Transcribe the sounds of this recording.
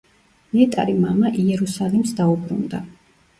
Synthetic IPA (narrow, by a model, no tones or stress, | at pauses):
miɛt̪ʼa̰ɾimamaʔiɛɾusalimsd̪aubɾṵnd̪a